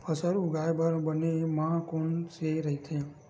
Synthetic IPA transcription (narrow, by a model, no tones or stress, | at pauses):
pʰəsəɾuɡajbʱəɾbənemãkonseɾəɦit̪ʰe